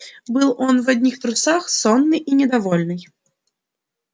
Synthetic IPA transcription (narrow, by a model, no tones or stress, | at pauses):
bɨlˠɔnvad̪ʲnʲixt̪ɾusaxsɔnːɨʔinʲɛd̪avɔlʲnɨj